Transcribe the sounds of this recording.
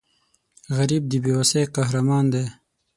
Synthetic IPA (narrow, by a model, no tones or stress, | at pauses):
ɣɐɾiːb̚d̪ibiwɐsejqaɦɾamɑːnd̪eː